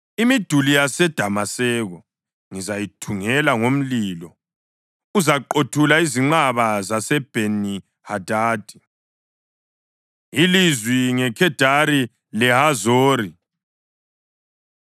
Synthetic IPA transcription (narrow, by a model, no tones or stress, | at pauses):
imid̥ʱulijasɛd̥ʱamasɛɣɔ | ŋizajitʰuŋɛlaŋom̩liːlɔ | uzaǃotʰulaiziŋ͡ǃaβazasɛb̥ʱeni | had̥ʱaːd̥ʱi | ilizwiŋɛkʰɛd̥ʱaɾi | lɛhazoːɾi